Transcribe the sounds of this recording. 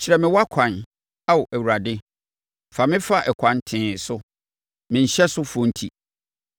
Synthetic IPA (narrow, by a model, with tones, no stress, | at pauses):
t͡ɕʰɪ˨ɾɛ˨mɪ̃˨wa˦kʷʰã˨n | a˦wɔ˨ʔæ˨wu˨ɾa˨dɪ˦ | fa˨mɪ̃˦fa˦ʔɛ˨kʷʰã˨ntʰɪ̃ː˨sʊ˦ | mɪ̃˨ɲ̩˨ɕɛ˦sʊ˦fɔ̃˨˦n̩˦tʰi˦˨